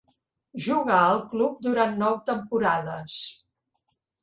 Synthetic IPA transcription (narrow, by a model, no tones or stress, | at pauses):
ʒuɣaəlˠklup̚d̪uɾanːɔwt̪əmpuɾaðəs